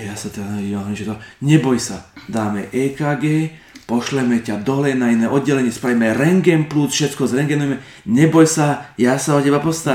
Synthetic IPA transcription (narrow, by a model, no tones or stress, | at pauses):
jasat̪ɛdanaiːaɦɔiʒɛt̪ɔɲɛbɔjsad̪aːmɛʔɛːkaːɡɛːpɔʃlɛmɛcad̪ɔɦlɛjnainɛːʔɔd̪̚ɟɛlɛɲɪɛspɾaʋimɛɾɛŋɡɛnplusfʃɛt̪kɔzɾɛŋɡɛnujɛmɛ | ɲɛbɔjsajaːsaɔcɛbapɔst̪a